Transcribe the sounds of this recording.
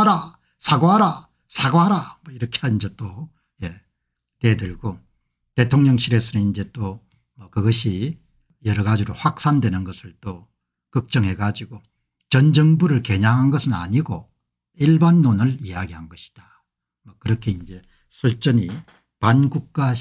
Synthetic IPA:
aɾa | sʰaɡoɦaɾa | sʰaɡoɦaɾamʌiɾʌkʰeaind͡ʑe̞t͈o | je̞ | te̞dɯɭɡ̥o | te̞tʰoŋɲʌŋɕʰiɾe̞sʰʌnɯnind͡ʑe̞t͈o | mʌkɯɡʌɕʰi | jʌɾʌɡad͡ʑiɾoɸwak̚s͈andwe̞nɯnɡʌsʰɯɭt͈o | kɯk̚t͡ɕ͈ʌŋɦe̞ɡad͡ʑiɡo | t͡ɕʌnd͡ʑʌŋbuɾɯɭke̞ɲaŋɦanɡʌsʰɯna̰ɲiɡo | iɭbanːonɯɾijaɡiɦanɡʌɕʰi̥d̥a | mʌkɯɾʌkʰeind͡ʑe̞ | sʰuɭt͡ɕ͈ʌɲi | panɡuk̚k͈a

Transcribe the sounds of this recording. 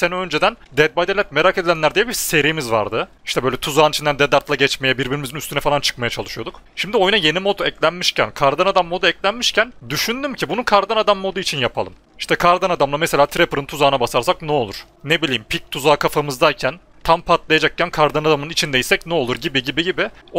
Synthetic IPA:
seniø̞nd͡ʒed̪ænd̪ɛd̪̚bad̪elʲɛt̪̚me̞ɾakʰed̪ilʲænlʲæɾd̪ijɛbiɾse̞ɾiːmizva̰ɾd̪ɯ | i̥ʃt̪ʰɛbøjlʲɛt̪ʰuzaːnit͡ʃʰind̪ænd̪ɛd̪aɾt̪lˠaɟɛt͡ʃmejɛbiɾbiɾimizinyst̪ʰynɛfalˠant͡ʃʰɯ̥k̚majat͡ʃʰalˠɯʃujo̞d̪ukʃimd̪io̞junaje̞nimo̞t̪ɛclʲænmiʃcæ̰nkʰaɾd̪anad̪amːo̞d̪uɛclʲænmiʃcʰænd̪yʃynd̪ymcʰibununkʰaɾd̪anad̪amːo̞d̪uit͡ʃʰinjapʰalˠɯm | i̥ʃt̪ʰɛkʰaɾd̪anad̪amlˠameselʲaːt̪ʰɾepɾɯnt̪ʰuzaːnabasaɾsaknɛo̞lˠuɾ̥ | nebilʲijimpʰic̚t̪ʰuzaːkʰafamɯzd̪ajcʰæn | t̪ʰampʰat̪lˠajad͡ʒak̚cʰænkʰaɾd̪anad̪amɯnit͡ʃʰind̪ejisɛcnɛo̞lˠuɾɟibiɟibiɟibɪo

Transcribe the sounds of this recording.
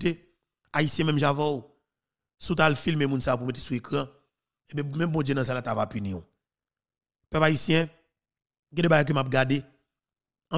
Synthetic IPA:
te | aisjɛ̃mɛ̃mʒavãw | sut̬alfilmemũnsaop̬umet̬e̥suekʁã | ebɛ̃mɛ̃mbɔ̃d͡ʒjenãsalatavapynĩo | pɛpaisjɛ̃ | ɡɛ̃dɛbaɡajkømap̚ɡade | ɐ̃

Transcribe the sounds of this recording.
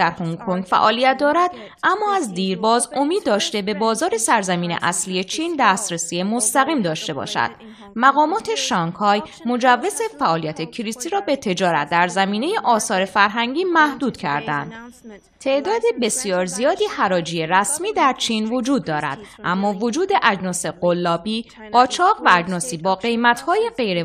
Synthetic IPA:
æɾhuŋkʰoŋɡfæ̰ʔɒːlijæt̪̚d̪ɒːɾæd̪̥ | ʔæmːɒːæzd̪iːɾbɒːzo̞miːd̪ːɒːʃt̪e̞be̞bɒːzɒːɾe̞sæɾzæmiːnḛʔæslije̞t͡ʃʰiːnd̪æːst̪ɾesiːe̞mo̞st̪æɣiːmd̪ɒːʃt̪e̞bɒ̰ːʃæ̰d̪̥ | mæɣɒːmɒːt̪ʰe̞ʃɒːŋkʰɒːjmo̞d͡ʒævːezefæʔɒːlijæt̪ʰecʰiɾisiɾɒːbe̞t̪ʰe̞d͡ʒɒːɾæ̰t̪̚d̪æɾzæmiːne̞je̞ʔɒːsɒːɾe̞fæɾɦæŋɟiːmæhd̪uːd̪̥cʰæ̰ɾd̪æ̰nd̪̥ | t̪ʰe̞ʔd̪ɒːd̪ebe̞sjɒːɾzijɒːd̪iːhæɾɒːd͡ʒiːje̞ræsmiːd̪æɾt͡ʃʰiːnvo̞d͡ʒuːd̪ːɒːɾæ̰d̪̥ʔæmːɒːvo̞d͡ʒuːd̪e̞ʔæd͡ʒnɒːse̞ɢolːɒːbiː | ɢ̥ɒːt͡ʃʰɒːɣvææd͡ʒnɒːsiːbɒːɣe̞jmæt̪hɒːjeɢe̞jɾe

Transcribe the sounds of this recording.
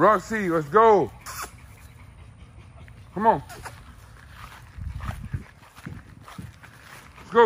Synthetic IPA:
ɹɑksilɛtsɡoʊ | kʰʌmɔ̃ŋ | ɛtsɡ̥oʊ

